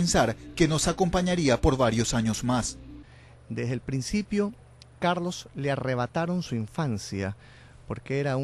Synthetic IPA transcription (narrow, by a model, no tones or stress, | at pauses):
ensaɾke̞no̞sako̞mpaɲaɾiapo̞ɾβaɾjosaɲo̞zmas | d̪e̞zðelpɾinsipjo̞ | kaɾlo̞sleare̞β̞at̪aɾo̞nsuiɱfansja | po̞ɾkeeɾau